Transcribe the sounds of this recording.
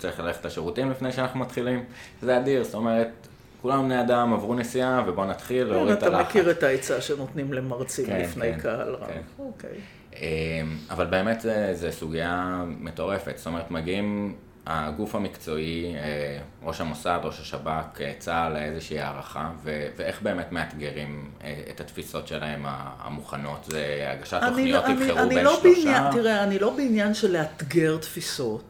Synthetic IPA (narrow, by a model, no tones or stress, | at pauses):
t͡saʁiχlaleχetaʃeʁutimlifnejʃeanaχnumat̪χilim | zeadiʁzto̞meʁet̚ | kulambneadamavʁunesiavebo̞nat̪χilːeʁiataalameχkiʁetaet͡saʃenot̪nimlemaʁt͡simkelinfnejnkʰaa̰lʁa̰enokḛj | emavalbe̞ːme̞tzezesuɡiameto̞ʁe̞fetz̥t̪o̞me̞et̪maɡiim | aɡufamikt͡so̞ie | ʁo̞ʃamo̞sad̪ʁo̞ʃaʃabaket͡saleezeʃiːa̰ʁaχaveveeχbe̞ːmetme̞at̪ɡeʁimeḛthat̪fiso̞tʃelae̞ma̰a̰muχano̞tzea̰ɡaʃataonioinieviloʃbeoinaat̪iʁeanilo̞beinjanʃeleat̪ɡe̞ʁtfiso̞t